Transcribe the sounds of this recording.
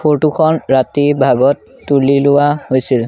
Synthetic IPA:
poɹtukʰɔnɹatibʱaɡɔtːulilʊwahojsil

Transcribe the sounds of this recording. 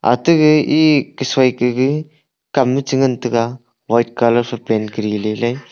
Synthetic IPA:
a̰tɯɡɯikɯsajkɯɡɯ | kamːɯt͡ʃɯŋɯntɯka | wajt̚kalɐɾpʰɯpenkɯɾilelaj

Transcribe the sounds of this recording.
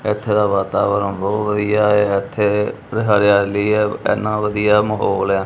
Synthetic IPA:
ɪt̪ʰːeːd̪aːʋaːt̪aːʋəɾəmbɔːt̪ʋəd̪ijaːeːɪt̪ʰːeː | ɾɪɦaːɾɪjaːləiːɛːɛ̰ːnãːʋəd̪ijaːməɦoːlɛ̃ː

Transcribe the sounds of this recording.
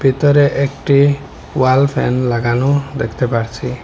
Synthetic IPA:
pit̪ɔɾeʔekʈi | walpʰḛnlaɡanud̪ḛkʰt̪epaɾt͡ʃʰi

